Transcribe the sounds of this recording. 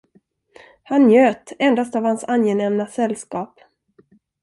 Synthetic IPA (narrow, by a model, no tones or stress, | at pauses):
hanːjøːt̪ɛnd̪ast̪avhansanjɛnɛmnasɛlːskɑːp